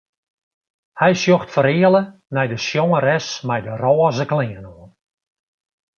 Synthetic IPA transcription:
hɛjsjoxtfəɾɪːələ | nɛjdəsjɔŋəɾɛsmɛjdərɔːəzəklɪːənoən

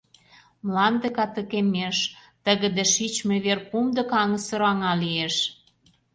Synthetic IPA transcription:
mlɑnd̪əkɑt̪ə̆kemeʃt̪ə̆ɣə̆d̪eʃit͡ɕmeβerkumd̪ɤ̆kɑŋə̆sə̆ɾoɑŋɑlieʃ

